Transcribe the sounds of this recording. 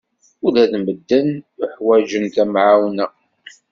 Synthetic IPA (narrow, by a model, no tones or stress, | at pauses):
ʊðæðməd̪ːənʊħwæd͡ʒənk̪æmʕawnæ